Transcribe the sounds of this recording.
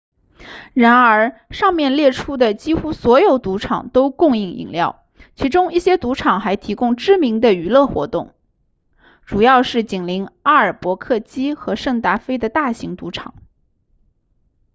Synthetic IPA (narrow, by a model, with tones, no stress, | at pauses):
ɻa˧˥nə˞˧˥ʂɑ˥˧ŋmjɛ˥˧nljɛ˥˩ʈ͡ʂʰu˥d̪ə˨t͡ɕi˥xu˥swɔ˧˥jo˨˩ʊt̪u˧˥ʈ͡ʂʰɑ̰˨˩ŋt̪o˥ʊkʊ˥˧ŋi˥˩ŋḭ˨˩ŋljɑ˥˩ʊ | t͡ɕʰi˧˥ʈ͡ʂʊ˥ŋi˥˩ɕjɛ˥t̪u˧˥ʈ͡ʂʰɑ˨˩ŋxa˧˥ɪt̪ʰi˧˥kʊ˥ŋʈ͡ʂɻ̩˥mi˧˥ŋd̪ə˧y˨˩lɤ˥˩xwɔ̰˧˥t̪ʊ˥˩ŋ | ʈ͡ʂu˨˩jɑ˥˧ʊʂɻ̩˥˩t͡ɕi˨˩ŋli˧˥ŋa˥ə˞˨˩pwɔ˧˥kʰɤ˥˩t͡ɕi˥xɤ˧˥ʂɤ˥˩ŋt̪a˥˩fe˥ɪd̪ə˨t̪a˥˩ɕi˧˥ŋt̪u˧˥ʈ͡ʂʰɑ̰˨˩˦ŋ